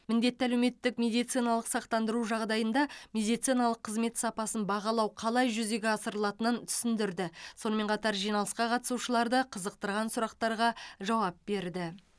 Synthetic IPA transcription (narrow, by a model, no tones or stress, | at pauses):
mɪnd̪e̞t̪ːælewme̞t̪ːɪkmʲe̞d̪ijt̪sijnɑlˠəqsɑqt̪ɑnd̪əɾuʒɑʁd̪ɑjənd̪ɑmʲe̞d̪ijt̪sijnɑlˠəqʰːəzme̞t̪sɑpɑsənbɑʁɑlˠɑwqʰɑlˠɑjʒʏze̞ɡʲeɑsəɾəlˠɑt̪ənənt̪ʰʏ̥sɪnd̪ɪɾd̪ɪso̞nəme̞ɴqʰɑt̪ɑɾʒijnɑlˠəsqɑqʰɑt̪ə̥suʃəlˠɑɾd̪əqʰəzəq̚t̪əɾʁɑnsʊɾɑqt̪ɑɾʁɑʒɑwɑp̚be̞ɾd̪ɪ